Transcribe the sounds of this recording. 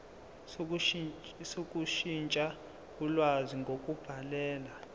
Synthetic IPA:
sokʼuʃint͡ʃʼa | kulwaziŋɡʱokʼub̥ʱalɛːla

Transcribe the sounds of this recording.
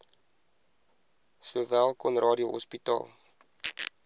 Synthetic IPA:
suəvælˠkɔnrʔɑːdioɦɔ̰spitɑ̰ːlˠ

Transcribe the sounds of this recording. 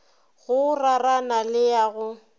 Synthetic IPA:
ɣʊraranalɪjaɣʊ

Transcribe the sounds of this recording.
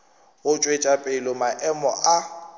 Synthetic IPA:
ɣʊt͡ʃʼwet͡ʃʼapʼɪlɔmaʔɛmɔʔa

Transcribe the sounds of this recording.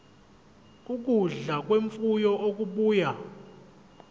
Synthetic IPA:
k̬ʼuk̬uɮak̬ʼweɱfujɔʔok̬ʼuɓuːja

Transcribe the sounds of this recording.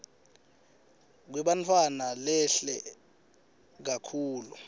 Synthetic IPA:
k̬wɛɓantʰwanalɛɬɛ | k̬akʰuːlu

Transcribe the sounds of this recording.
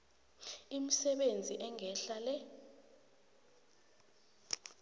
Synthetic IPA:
imisɛɓend͡zʱiʔɛŋʱɛɬalɛ

